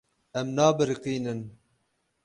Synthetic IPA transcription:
ɛmnɑːbɨɾqiːnɨn

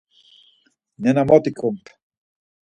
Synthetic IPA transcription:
nenamot̪ikʰump

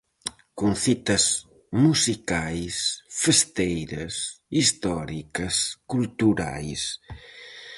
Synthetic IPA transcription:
konθit̪ɐs | musikajsfest̪ejɾɐsist̪ɔɾikɐskult̪uɾa̰js

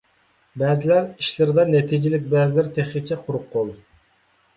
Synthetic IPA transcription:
bɛːzɪlæɾiʃlɪɾɪd̪ɑnɛt̪ʰid͡ʒɪlɪk̚ʲbɛːzɪlæɾt̪ʰeχɪt͡ʃʰɛqʰʊɾʊqʰːolˠ

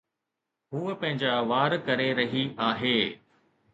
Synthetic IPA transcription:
ɦuːəpɐ̃ɦɪ̃ɲd͡ʑaʋaːɾkɐɾeɾɐɦiaːɦeː

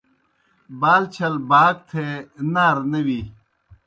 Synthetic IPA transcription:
baːlt͡ɕʰɐlbaːk̚t̪ʰenaːɾnɐwi

